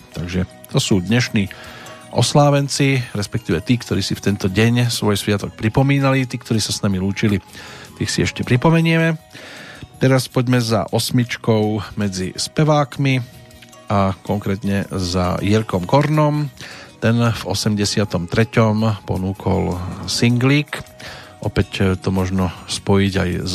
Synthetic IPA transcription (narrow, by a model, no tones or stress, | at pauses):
t̪aɡʒɛ | t̪ɔsuːd̪ɲɛʃniːʔɔ̰slaːʋɛnt͡siɾɛspɛk̚t̪iːʋɛt̪iːkt̪ɔɾiːsift̪ɛnt̪ɔɟɛɲsʋɔjsʋɪat̪ɔk̚pɾipɔmiːnalit̪iːkt̪ɔɾiːsasnamiluːt͡ʃilit̪ixsiɛʃcɛpɾipɔmɛɲɪɛmɛ | t̪ɛɾaspɔɟmɛza̰ʔɔsmit͡ʃkɔʊmɛd͡zispɛʋaːkmi | akɔŋkɾɛt̪ɲɛza̰jɛɾkɔmkɔɾnɔmt̪ɛnv̥ɔ̰sɛmɟɛsɪat̪ɔmt̪ɾɛcɔmpɔ̰nuːkʰɔ̰lsiŋɡliːkʔɔpɛct̪ɔmɔʒnɔspɔjiɟajz